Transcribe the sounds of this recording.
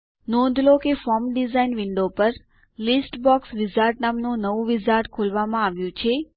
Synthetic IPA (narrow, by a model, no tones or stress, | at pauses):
nɔ̃d̪ʱlokefɔɾmɖizainʋɪɳɖopəɾ | lisʈbɔksʋɪzaɾʈnamnõnəʋũʋɪzaɾʈkʰulʋamãaʋjũt͡ʃʰe